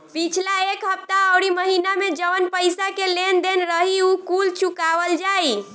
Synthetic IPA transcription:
pit͡ʃʰlaekɦəp̚t̪aəwɽiməɦinamed͡ʒəʋənpəjsakelend̪enɾəɦiukult͡ʃukaʋəld͡ʒai

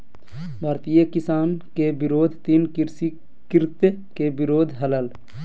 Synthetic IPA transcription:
bʱaːɾt̪iːjəkɪsaːnkebɪɾoːd̪ʱt̪inkɾsi | kɾɪt̪jə | kebɪɾoːd̪ʱɦələl

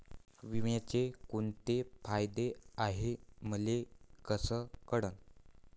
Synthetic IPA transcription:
ʋiʋjat͡ɕekoɳt̪efajd̪eaɦem̤əlekəsəkəɽən

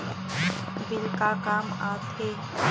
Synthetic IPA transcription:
bɪlkakaːmaːt̪ʰe

